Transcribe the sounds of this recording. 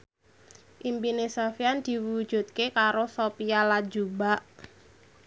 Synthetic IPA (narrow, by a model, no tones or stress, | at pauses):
ʔimpinesofiand̪̥i̤wud̥ʒ̥ṳt̪̚kekaɾosopialadd͡ʒubaʔ